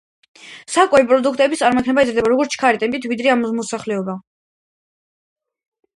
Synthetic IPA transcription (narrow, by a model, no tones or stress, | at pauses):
sakʼwɛipʼɾɔd̪ukʰt̪ʼɛbit̪sʼaɾmɔkʰnɛbaɛt̪zɾd̪ɛbaɾɔɡɔɾt̪sʰkʰaɾit̪ʼɛmpʼit̪ʰvid̪ɾɛamɔmɔsaχlɛɔba